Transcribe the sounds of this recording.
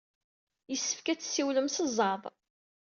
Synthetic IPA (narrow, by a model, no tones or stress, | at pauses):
jəsːə̥fkæt͡sːsiwləmsəzˤɑðˤ